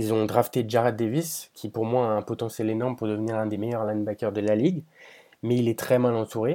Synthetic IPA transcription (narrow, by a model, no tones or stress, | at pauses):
ilzɔ̃d̪ʁaft̪eʒaʁat̪̚d̪eviskʲʰipuʁmwaaɛ̃pɔt̪ɑ̃sjɛlenɔʁmpuʁd̪əvniʁɛ̃d̪emejœʁlãnbakʲœʁd̪əlaliɡ | mɛilɛt̪χɛmalɑ̃t̪ʰuʁe